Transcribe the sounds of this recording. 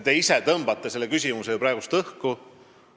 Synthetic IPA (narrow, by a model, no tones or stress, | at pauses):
t̪e̞iset̪ɤmb̥ɑt̪ːˑese̞lːekysʲimusejupɾɑeɡ̥ust̪ɤhku